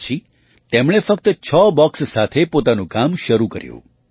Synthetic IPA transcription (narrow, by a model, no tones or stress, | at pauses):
t͡ʃʰi | t̪emɽ̃efək̚t̪ət͡ʃʰɔbɔkssat̪ʰepot̪anũkamʃəɾukə̰ɾjṵ̃